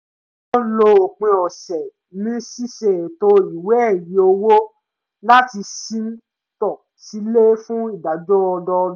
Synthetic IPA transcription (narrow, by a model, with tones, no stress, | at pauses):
ɔ̃˦lo˧o˨k͡pẽ˧ɔ˨sɛ˨ | nĩ˦si˦ʃɛ˨to˧i˨wɛ˨˦˨ji˨˦o˧wo˦ | la˦ti˧sĩ˦n̩˦ | tɔ˦˨ | si˨˦le˦fũ˦i˦˨da˨d͡ʒɔ˦ɔ˧dɔ˧˦